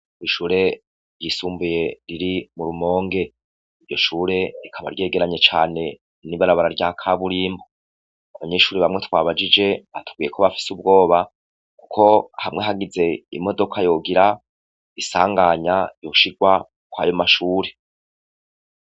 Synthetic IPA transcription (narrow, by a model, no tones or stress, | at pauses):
iʃuːɾe̞ | ɾjisuːmbuje̞ɾiɾimuɾumo̞ːŋɡe̞ | iɾɟo̞ʃuːɾe̞ikʰaβa̰ɾje̞ːɡe̞ɾaɲe̞t͡ʃaːne̞ | niβaɾaβaɾaɾɟakʰaβuɾiːmbo | aβaɲe̞ːʃuːɾeβamŋe̞twaːβad͡ʒid͡ʒe̞βatʰu̥ɡ̥wije̞kʰo̞βafi̥subɡo̞ːβa | ku̥kʰo̞ahamŋe̞ɦaɡize̞ḭmo̞do̞kʰajo̞ɡiɾa | isa̰ːŋɡaɲajo̞ʃiɡwa | kwa̰ːjo̞maʃuːɾe̞